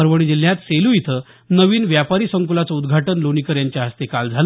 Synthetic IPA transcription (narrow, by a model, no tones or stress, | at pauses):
əɾʋəɽ̃id͡ʑil̤ːjat̪selujit̪ʰə | nəʋiːnʋjapaɾiːsəŋkulat͡səud̪ɡʱaʈənloñikəɾjaɲt͡ɕjaɦəst̪ekald͡zʱalə